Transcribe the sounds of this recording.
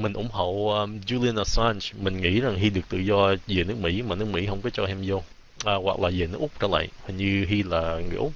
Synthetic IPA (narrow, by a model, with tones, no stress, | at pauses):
mï˨˩ŋ̟ʔʊ̰˨˧˥ŋ͡mɦo̰˧˨ʔəː˧zu˧li˧ə˧na˧˩sa˧nsmï˨˩ŋ̟ŋḭ˧˥za˨˩ŋɦi˧ɗɨ˨˩ək̚t̪ɨ̰˧˨zɔ˧ze˨˩nɨ˦˥ək̚mḭ˧˥maː˨˩nɨ˦˥əkmḭ˧˥hə˧wŋ͡mkɔ˨˦t͡ɕɔ˧ʔɛ˧mzo˧ | ʔəː˨˩ɣwa˨˩k̚laː˨˩ze˨˩nɨ˦ək̚ʔʊ˦˥k͡p̚t͡ɕə̰ː˧˦la̰ː˧˨jhŋɲɨ˧ɦi˧laː˨˩ŋɨ˨ʔʊ˦˥k͡p̚